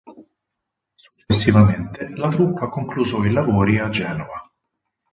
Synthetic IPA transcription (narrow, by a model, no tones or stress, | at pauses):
su̥t͡ʃːesːivament̪elat̪ɾupːakoŋkluzɔilavoːɾiad͡ʒːɛːnova